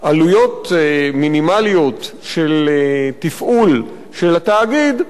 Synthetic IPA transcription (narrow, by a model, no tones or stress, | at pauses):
ʔalujo̞t̪minimalijo̞t̪ | ʃelt̪ifʔul | ʃelat̪aːɡid̪